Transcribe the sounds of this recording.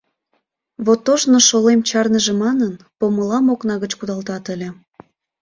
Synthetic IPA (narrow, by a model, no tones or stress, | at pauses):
βot̪ːoʒnoʃolemt͡ɕɑrnəʒĕmɑnən | poməlɑmoknɑɣət͡ɕkud̪ɑlt̪ɑt̪əlʲe